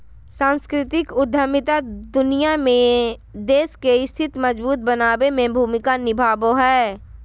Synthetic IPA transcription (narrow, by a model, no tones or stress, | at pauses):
sãːnskɾɪt̪ɪkʊd̪ʱːəmɪt̪ad̪ʊnijamẽd̪eːskeɪst̪ʰɪt̪məd͡ʒbuːt̪̚bənaːbemẽbʱuːmɪkanɪbʱaːboɦɛː